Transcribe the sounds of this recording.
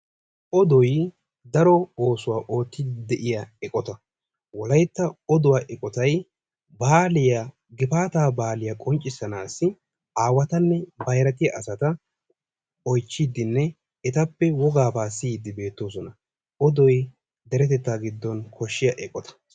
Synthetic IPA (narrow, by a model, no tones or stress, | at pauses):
ʔɔd̪ɔj | d̪ɐɾɔoːsʊwaːʔo̞ːt̪ːɪd̪d̪ɛʔɪjɐɛkʼɔt̪ɐ | wɔlɐjt̪ːɐɔd̪ʊwaːʔɛkʼɔt̪ɐj | baːlɪjɐ | ɡɪpaːt̪aːbaːlɪjɐkʼɔnt͡ʃʼːɪsːɐnaːsːɪ | aːwɐt̪ɐnːɛbɐjɾɐt̪̬ɪjɐʔɐsɐt̪ɐ | ɔjt͡ʃːid̪ːɪnːɛ | ɛt̪ɐpːɛwɔɡaːbaːsid̪ɪbe̞ːt̪ːo̞ːs̬ɔnɐ | ɔd̪ɔj | d̪ɛɾɛt̪ɛt̪ːaːɡɪd̪ːɔnkʰɔʃːɪjɐʔɛkʼɔt̪ɐ̥